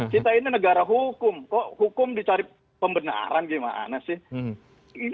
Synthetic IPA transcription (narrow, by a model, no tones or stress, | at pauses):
t͡ʃit̪aininəɡaɾaɦukʊmkɔhukʊmdit͡ʃaɾɪ | pəmbəna̰ɾanɡima̰ʔa̰nasɪh | i